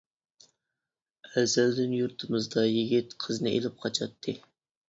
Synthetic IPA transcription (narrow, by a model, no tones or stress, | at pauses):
ɛzæld̪ɪnjuɾt̪ʰɨmɨzd̪ɑjiɡʲit̪qʰəznɨʔḛlɪp̚qʰɑt͡ʃʰɑt̪ʰːɨ